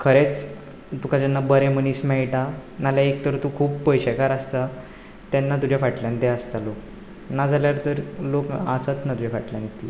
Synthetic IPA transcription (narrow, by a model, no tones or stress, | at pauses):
kʰəɾet͡s | t̪ukʰad͡ʑanːabəɾeməniːsmɛɭʈanaljaek̚t̪əɾt̪ukʰuːbpəjɕekaɾast̪a | t̪anːat̪̬ud͡ʑʱafaʈljãnt̪east̪alok | nad͡zʱaljaɾt̪əɾlokasət͡snat̪ud͡ʑafaʈljãnet̪le